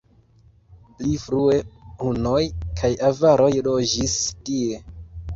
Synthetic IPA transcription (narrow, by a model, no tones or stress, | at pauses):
plifɾue̞huno̞jkʰajavaɾo̞jlo̞d͡ʒistie̞